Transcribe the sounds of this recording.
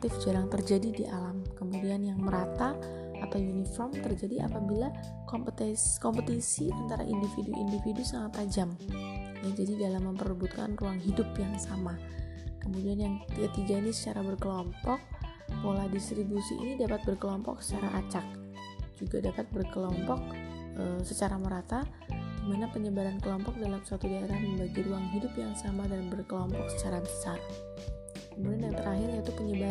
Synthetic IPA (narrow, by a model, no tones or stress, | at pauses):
k̚t̪ɪfd͡ʒaɾaŋt̪ərd͡ʒadidiʔalamkəmudianjaŋməɾat̪aː | t̪awjunifɔrmt̪ərd͡ʒadiʔa̰pabila | kpt̪kɔmpət̪isiʔant̪aɾa̰ʔindifiduʔḭndifidusaŋat̪ːad͡ʒam | jad͡ʒadidalamːəmpərəbut̪̚ka̰nruaŋɦidʊpjaŋsama | kəmudianjaŋt̪iat̪iɡainisə̥t͡ʃaɾabərkəlɔmpɔk̚ | woladist̪ɾibusḭʔḭnidapat̪̚bərkəlɔmpɔ̰ksə̥t͡ʃaɾa̰ʔat͡ʃak̚ | d͡ʒuɡadapat̪̚bərkəlɔmpɔk̚ʔəsət͡ʃaɾaməɾat̪a | dimanapəɲəbaɾankəlɔmpɔk̚dalamsat̪udaeɾaməmbaɡiɾuaŋɦidʊpjaŋsamadanbərkəlɔmpɔk̚sə̥t͡ʃaɾabəsar | kəmudianjaŋt̪əɾaɦɪrait̪upəɲəba